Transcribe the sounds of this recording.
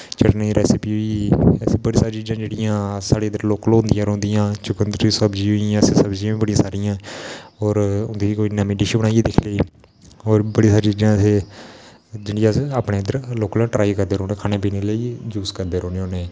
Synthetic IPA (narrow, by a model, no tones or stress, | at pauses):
t͡ʃəʈneiɾɛːsɪpiːɦʊiːɛseːbəɽiːsaːɾit͡ʃiːd͡ʒãːd͡ʒeːɽɪjãːsaːɽeːənd̪əɾloːkəloːnd̪ɪjãːɾõːnd̪ɪjãːt͡ʃʊkənd̪ɾiːsəbd͡ʒiːɦʊiãːseːsəbd͡ʒiãːĩːbəɽijãːsaːɾijãːɔːɾʊnd̪ikoːiːnamĩːɖɪʃibəɽ̃aːieːd̪ɪkʰleiː | oːɾbəɽiːsaːɾit͡ʃiːd͡ʒãːseː | d͡ʒeːɽɪjãːsaːpɽeːənd̪əɾloːklõːʈɾaːikəɾd̪eːɾoːneːkʰaːneːpiːneːləiːd͡ʒuːskəɾd̪eːɾoːneoːneː